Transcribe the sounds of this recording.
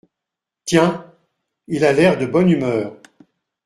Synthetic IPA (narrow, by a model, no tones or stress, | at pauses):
t̪jɛ̃ | ilalɛʁd̪əbɔnymœːʁ